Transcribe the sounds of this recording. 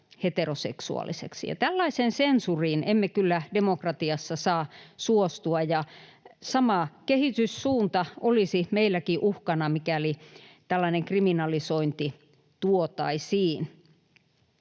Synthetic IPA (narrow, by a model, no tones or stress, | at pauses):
het̪erosḛksṵɑ̰lˑḭsḛksḭjɑ̰t̪ælːɑisensensuriːnemːekylːædemokrɑt̪iɑsːɑsɑːsuost̪uɑjɑsɑmɑkehit̪yssuːnt̪ɑʔolisimeilːækiʔuhkɑnɑmikælit̪ælːɑineŋkriminɑlisoint̪i | t̪uot̪ɑ̰isiːn